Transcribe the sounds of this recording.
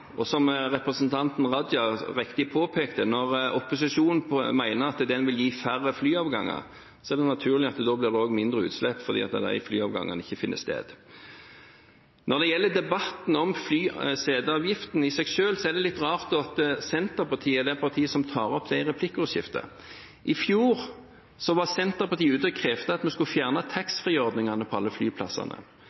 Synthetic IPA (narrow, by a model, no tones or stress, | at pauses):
ʔɔsɔmʁɛpɾəsnt̪ʰɑnt̪nʁɑd̪jɑʁɪkt̪ɪpʰoːpʰeːkt̪ənɔʁɔpʊs̬ɪʂuːnn̩mæɪnəɾɑt̪d̪ɛnʋɪljiːfæɾəflyːɑːʋɡɑ̰ŋːə̰ | sɔæʁd̪ɛnɑt̪ʰʉːʁlɪɑt̪d̪oːblɪʁd̪ɛoːɡmɪnd̪ɾəʉ̰ːt̪slɛpːfɔɾd̪ḭːɑt̪d̪æ̰ɪflyːɑːʋɡɑ̰ŋːə̰nɪçːəfɪnːə̰st̪ḛːd̪ | nɔʁd̪ɛjɛlːəd̪ɛbɑt̪n̩ɔmflyːseːd̪əɑːʋjɪft̪n̩ɪsɛɡʃøːlsɔɛʁd̪ɛlɪt̪ːʁɑːʁt̪ɔɑt̪sɛnt̪əpɑt̪ʰiːəd̪ɛpʰɑʁt̪ʰiːəsɔmt̪ʰɑːʁɔpːd̪æɪʁɛpʰlɪkːəʊʃɪ̰ft̪ə̰ | ʔɪfjuːʁ | sɔʋɑsɛnt̪əʁpɑʁt̪iːʉːt̪əɔkʰʁeːft̪əɑt̪mɛskʉfjæːʁnɑt̪ʰɑksfʁiːɔʁd̪nɪŋɑnəpʰɔɑlːəflyːpʰlɑsɑ̰nʔə̰